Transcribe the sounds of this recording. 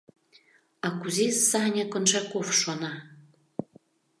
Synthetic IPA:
ɑkuzesɑnʲɑkŏnʃɑkofʃonɑ

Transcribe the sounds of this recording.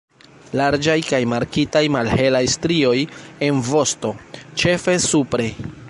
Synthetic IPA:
laɾd͡ʒajkajmaɾkitajmalhe̞lajstɾio̞je̞nvo̞sto̞t͡ʃe̞fe̞supɾe̞

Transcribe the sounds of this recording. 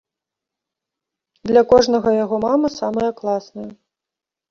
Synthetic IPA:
d̪lʲɐkɔʐnɐɣɐjaɣɔmamɐsamɐjɐklˠasnɐjɐ

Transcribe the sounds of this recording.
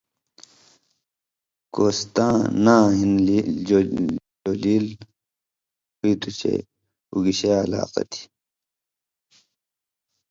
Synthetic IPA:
koːst̪ãːnãːɦin | oliːl | hit̪ut͡ɕḛ | uɡiɕela̰ːqɐ̰t̪ʰi̥

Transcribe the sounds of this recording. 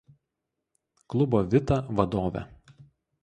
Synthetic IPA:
klˠʊboːʋʲɪt̪ɐʋɐd̪oːʋʲɛ̰

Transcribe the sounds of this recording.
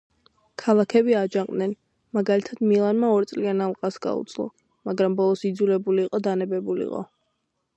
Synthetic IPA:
kʰalˠakʰɛbiad͡ʒaq̪ʼnɛn | maɡalit̪ʰad̪̥milˠanmaɔɾt̪sʼlianalˠqʼasɡa̰ṵt̪sʼlˠɔ̰ | maɡɾambɔlˠɔsid̪zulɛbuliːqʼɔd̪anɛbɛbulḭqʼɔ̰

